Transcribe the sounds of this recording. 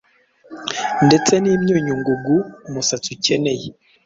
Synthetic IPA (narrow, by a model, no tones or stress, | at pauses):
ndet͡seniːmjoɲuŋɡuɡumusatuceneje